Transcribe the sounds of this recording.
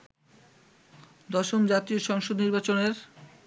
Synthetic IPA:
d̪ɔʃomd͡ʑat̪ioʃɔŋʃod̪niɾbat͡ɕoneɾ

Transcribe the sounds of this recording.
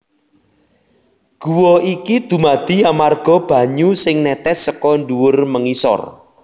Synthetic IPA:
ɡ̥ṳwɔikid̪̥ṳmad̪̥i̤amarɡ̥ɔ̤b̥ä̤ɲusɪŋnɛt̪ɛsəkɔɳɖuwʊrməŋisɔ̰r

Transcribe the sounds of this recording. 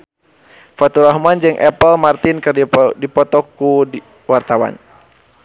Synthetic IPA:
fat̪uɾahmand͡ʒɨŋʔɛpəlmart̪inkɨrdipɔt̪ɔkːu | wart̪awa̰n

